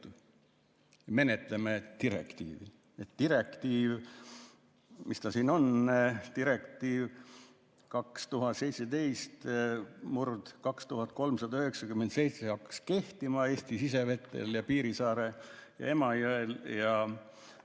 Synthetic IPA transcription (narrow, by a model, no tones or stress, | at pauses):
me̞net̪lemet̪iɾḛkt̪ḭːvi | et̪ːiɾe̞kt̪iːv | mʔist̪ɑsiːno̞nt̪iɾe̞kt̪iːv | kɑkst̪uɦɑt̪se̞jt̪sed̪e̞jst̪murd̪̥kɑkst̪uɦɑt̪̚ˑko̞lmsɑd̪ɑyɦeksɑkymːent̪se̞jt̪sehɑkːɑ̥ske̞ht̪imɑe̞ːst̪isis̬e̞ve̞t̪ˑːe̞̰ljɑpiːɾisɑːɾejɑ̰e̞mɑjoeljɑ